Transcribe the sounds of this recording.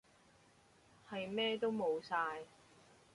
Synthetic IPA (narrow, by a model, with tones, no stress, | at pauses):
hɐ˨jmɛː˥t̪o˥wmo˨˧wsaː˧j